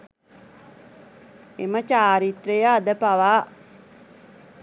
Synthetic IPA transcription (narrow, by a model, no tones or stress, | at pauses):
emət͡ʃaːɾit̪ɾejəːd̪əpaʋaː